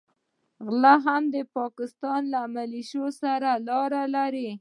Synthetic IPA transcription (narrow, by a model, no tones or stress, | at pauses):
ɣlaɦamd̪əpɑkɪst̪ɑnlaːmaliʃosaɾalɑɾalaɾi